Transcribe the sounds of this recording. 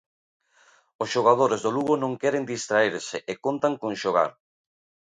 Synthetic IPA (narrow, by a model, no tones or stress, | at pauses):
osʃoɣ̞að̞oɾezðoluɣonõŋkɛɾend̪ist̪ɾaeɾseʔekont̪aŋkõŋʃoɣ̞a̰ɾ